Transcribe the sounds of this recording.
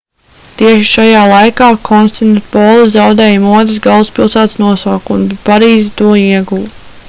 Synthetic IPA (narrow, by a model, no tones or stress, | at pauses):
t̪iɛʃi̥ʃajaːlˠajkaːkʰɔnst̪inpɔːlˠizawd̪ɛːjmuɔd̪ɪs̬ɡalˠuspilˠsæːt̪snuɔsaːkunbpaɾiːzit̪uɔiɛɡuw